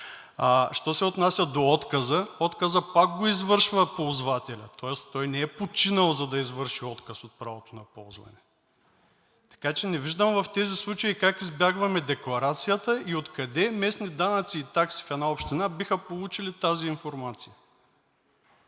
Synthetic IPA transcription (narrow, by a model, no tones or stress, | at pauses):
aʃt̪ɔsɛot̪nasʲɐd̪oɔt̪kəzəɔt̪kəzəpak̚ɡoizvɤɾʃvəpolˠzvat̪ɛlʲɐt̪ɔɛst̪ɔjnɛɛpot͡ʃinəlˠzɐd̪ɐizvəɾʃiɔt̪kəsot̪̚pɾavot̪onɐpɔlˠzvɐ̰nɛ | t̪ɐ̥kat͡ʃɛnɛviʒd̪əmvɐft̪ɛzislˠut͡ʃəikakizbʲjaɡvɐmɛd̪ɛklˠɐɾat̪sijət̪əiot̪kɐd̪ɛmɛsnid̪anɐt̪siːt̪aksi̥fɛd̪naopʃt̪inabixəpolˠut͡ʃilit̪aziːnfoɾmat̪sijə